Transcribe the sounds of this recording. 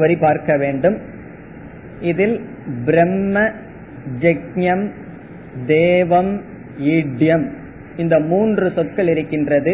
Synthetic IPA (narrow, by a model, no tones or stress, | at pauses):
ʋɐɾipaːɾkɐʋeːɳɖɯm | ɪðɪl | bɪɾɛmːɐ | d͡ʒɐkɲɐm | d̪eːʋɐm | iːɖɪjɐm | ɪnd̪ɐmuːndrɯsɔt̪̚kɐɭɪɾɯkːɪndrɐðɯ